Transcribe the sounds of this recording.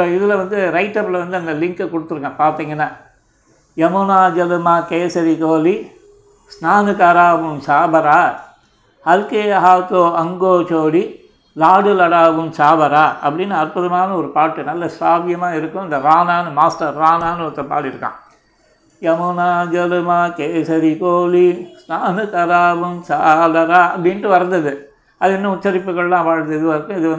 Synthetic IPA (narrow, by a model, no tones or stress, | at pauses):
oːɪðɪlɐʋɐnd̪ɯɾɐɪʈːɐpːɪlɐʋɐnd̪ɯɐnd̪ɐlɪŋkɛkɔɽɯt̪ːɯɾɯkːɡɐ̃paːɾt̪iːŋɡɐnːaː | jɐmʊnaːd͡ʒɐlɯmaːkeːsɐɾikoːli | snaːnɯkaːɾaːʋɯmsaːbɐɾaː | hɐlkeɐɦaːt̪oːɐŋɡoːt͡ʃoːɽi | laːɽɯlɐɽaːʋɯmsaːbɐɾaːɐ̰pːɐɽɪnːɐɐɾpɯðɐmaːnɐɔɾɯpaːʈːɯnɐlːɐsaːʋɪjɐmaːɪɾɯkːʊ̃nd̪ɐɾaːnaːnɯmaːsʈɐɾːaːnaːnɯɔk̪ːɐpa̰ːɽɪɾɯkːã̰ː | jɐmʊnaːd͡ʒɐlɯmaːkeːsɐɾikoːlisnaːnɯk̪ɐɾaːʋɯmsaːlɐɾaːɐpːɐɽɪnʈːɯʋɐɾɐnd̪ɐðɯ | ɐðɯɛnːɐʊt͡ʃːɐɾɪpːɯɣɐɭlãːpaːɻnd̪ɐðɯʋɐɾɯkːʊ̃ɪðɯɐ